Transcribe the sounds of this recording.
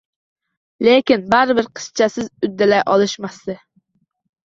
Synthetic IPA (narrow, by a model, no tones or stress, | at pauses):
lekʲinbæɾɪbɪɾqʰə̥st͡ʃʰɛsɪzyd̪ːɪlɛʔɑlˠɨʃmɑst̪ɨ